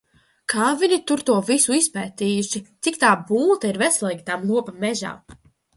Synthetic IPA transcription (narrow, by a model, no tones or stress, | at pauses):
kʰaːvinʲit̪uɾt̪uɔvisuispɛːt̪iːjuʃit̪sikt̪aːbuːt̪aiɾvɛslˠɛɡʲit̪amlˠuɔpamɛʒa̰ː